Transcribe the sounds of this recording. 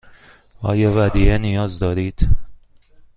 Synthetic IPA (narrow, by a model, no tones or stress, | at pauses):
ʔɒ̰ːjɒːvæd̪iʔenijɒːzd̪ɒːɾiːd̪̥